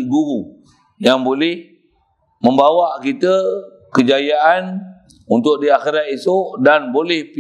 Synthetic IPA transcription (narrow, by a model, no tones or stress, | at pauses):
ɡuɾu | jaŋbolɪh | mə̃mbawaʔkit̪ə | kəd͡ʒajaʔan | unt̪ʊk̚diaxiɾat̪̚isoʔdanbolɛhp